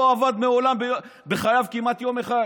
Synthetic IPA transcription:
oavad̪meo̞lambebeχajavkimat̪jo̞meχa

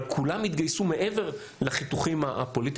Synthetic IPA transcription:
kʰulamhit̪ɡajsume̞ʔe̞ve̞ʁ | laχit̪uχimaapo̞lit̪

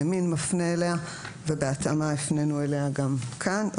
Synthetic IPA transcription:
aminmafneːlea | vebeatamaefne̞nueleaɡamkʰan

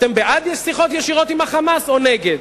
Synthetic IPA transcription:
t̪embeʔad̪jɛsiχo̞t̪jeʃiʁo̞t̪imaχamaso̞neɡed̪

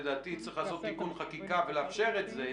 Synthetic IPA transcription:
d̪aːt̪it͡sʁiχlaːso̞t̪ːikunχakikaveleafʃe̞ʁet̪ze

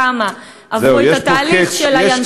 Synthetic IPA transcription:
ama | ʔavzejeat̪aliχʃelajan

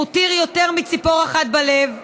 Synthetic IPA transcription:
ut̪iʁjot̪eʁmit͡sipo̞ʁaχat̪̚balev

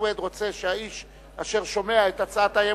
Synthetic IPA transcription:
wed̪ʁo̞t͡se̞ʃeaiʃ | aʃe̞ʁʃo̞me̞aetat͡saat̪aje

